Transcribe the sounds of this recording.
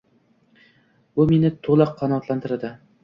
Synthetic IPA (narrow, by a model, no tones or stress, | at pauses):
bʊme̞nɪt̪ʰolˠɑqʰːɑnɒːt̪lant̪ʰɪɾad̪ɪ